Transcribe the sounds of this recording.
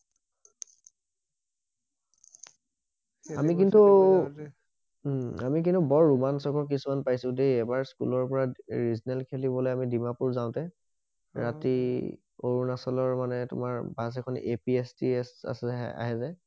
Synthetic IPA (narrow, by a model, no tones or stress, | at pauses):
amik̬intu | amik̬intubɔɹːumansɔkɔk̬isumanpajsʊ̃dejɛbaɹskṵlɔɹpɔɹaɹiznɛlkʰelibɔlojamidimapuɹzaʊ̃tɛ | ɹati | oɹunasɔlɔɹmanɛtʊ̰maɹbasɛkʰɔnepiestisa̰sa̰ɦɛzɛ